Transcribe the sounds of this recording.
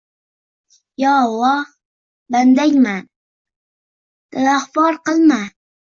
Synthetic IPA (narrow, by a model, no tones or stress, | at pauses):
jɒwɒ | band̪aŋʲman | d̪̥aaχbɒɾqɨlˠma